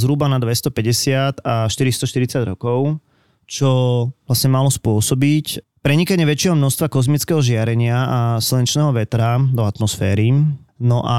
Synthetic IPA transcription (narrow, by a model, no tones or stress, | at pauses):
zɦɾubanad̪ʋɛst̪ɔpɛɟɛsɪat̪aʃt̪iɾist̪ɔʃt̪iɾit͡saɟɾɔkɔʊ | t͡ʃɔʋlasɲɛmalɔspʊɔsɔbicpɾɛɲikaɲɪɛʋɛt͡ʃɪɛɦɔmnɔʃst̪ʋakɔzmit͡skɛɦɔʒɪaɾɛɲɪaasilɛnt͡ʃnɛːɦɔʋɛt̪ɾad̪ɔat̪mɔsfɛːɾinɔʔa